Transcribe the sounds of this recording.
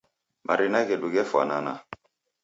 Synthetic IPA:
mʔaɾinakɛɗuɡɛfwa̰nana̰

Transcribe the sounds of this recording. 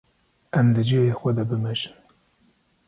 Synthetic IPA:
ɛmd̪ɨd͡ʒivexʷɛd̪ɑbɨmɛʒɨn

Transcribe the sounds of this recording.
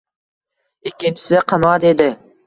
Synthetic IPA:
ekʲint͡ʃi̥seqʰɑnɑd̪ed̪ɪ

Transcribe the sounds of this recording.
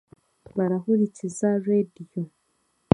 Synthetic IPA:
βaɾahuɾicizaredijo

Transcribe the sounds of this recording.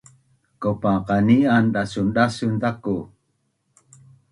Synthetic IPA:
kopaqanianɗasunɗasunt̪aku

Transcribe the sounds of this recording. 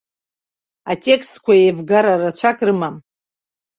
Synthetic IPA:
atʲʼe̞kʰstkʷʰajevɡaɾarat͡ɕʷʰakʼrɨmam

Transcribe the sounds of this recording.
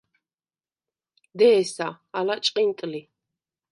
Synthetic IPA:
d̪ɛːsa | alat͡ʃʼqʼint̪ʼɨli

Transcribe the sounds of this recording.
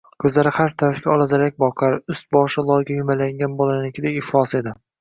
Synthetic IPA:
kʰɵzlaɾɪhaɾt̪ʰaɾafkʲaɒlˠazaɾakʲbɒqʰaɾʊst̪̚bɒʃɪlˠɒjɡʲajʊmalaŋɡʲanbolˠanɪkʲɪd̪aɪχlˠɒse̞d̪ɪ

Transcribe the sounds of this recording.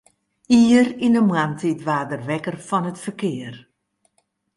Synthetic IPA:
iərinəmwantʰitʋaːdərʋɛkərfɔnətfərkɪər

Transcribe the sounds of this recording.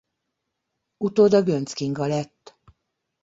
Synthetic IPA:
ut̪oːd̪ɒɡønt̪skiŋɡɒlɛt̪ː

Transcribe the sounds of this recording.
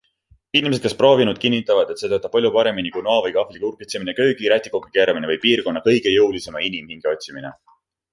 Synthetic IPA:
inimes̬̞d̪̥̚kespro̞ːvinud̪̥̚kinːit̪ːˑɑvɑd̪et̪se̞t̪ɤt̪ɑp̚pɑlʲjupɑɾe̞minikunoɑvɤjkɑhlikurɡ̥et̪seminekø̞ːɡiɾæt̪ːˑikokːe̥keːɾɑminevɤjpiːrko̞nːɑkɤ̞jɡ̥e̞jɤwlise̞mɑinimhiŋɡ̥eo̞t̪̚ʲsimine̞̰

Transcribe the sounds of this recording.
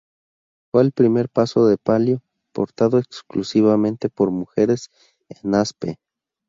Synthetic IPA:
fweːlpɾime̞ɾpaso̞ðe̞paljo̞ | po̞̰ɾt̪aðo̞eksklusiβamẽ̞nt̪e̞po̞ɾmuxe̞ɾe̞s | enaspḛ

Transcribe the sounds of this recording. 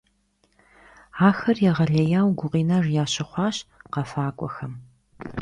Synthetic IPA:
aːxɐrjɛʁɐɮɐjaːwɡʷʊqiːnarjaːɕɪχʷɑːɕqɐfaːkʷʼɔ̰xɐm

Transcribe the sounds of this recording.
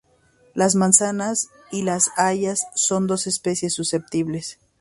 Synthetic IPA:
lazmãnsanas | ilasaʝasːo̞nd̪o̞se̞spe̞sjesːuse̞p̚t̪iβle̞s

